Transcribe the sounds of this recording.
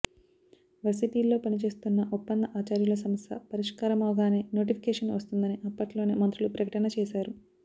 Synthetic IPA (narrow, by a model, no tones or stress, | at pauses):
ʋɐs̬itiːlːo̞ːpɐnit͡ʃe̞ːst̪unːɐʔupːɐnd̪ɐʔaːt͡ʃaːɾjulɐs̬ɐmɐst̪ʰɐ̰pɐɾiʂkaːɾɐmɐʋɡaːne̞ːno̞ːʈ̬ipʰi̥kɛːʂɐnʋɐst̪und̪ɐniʔɐpːɐʈloːneːmɐnt̪ɾulupɾɐkɐʈɐnɐt͡ʃɛːʃaːɾu